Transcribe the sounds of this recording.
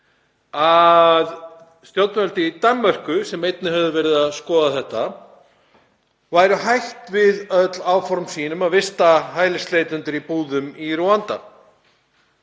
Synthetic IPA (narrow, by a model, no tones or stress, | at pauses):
að | st̪jow̪t̪nœlt̪ɪt̪amːœr̥kʏsɛmejt̪nɪɦœvðʏvɛɾɪðaðskɔːðaθɛht̪ːa | vaːjɾʏɦajht̪vɪðœt̪laːwfɔɾmsiːnʏmaðvɪst̪aɦaːjlɪst̪lejt̪ʏnt̪ʏɾipuːðʏmiruant̪a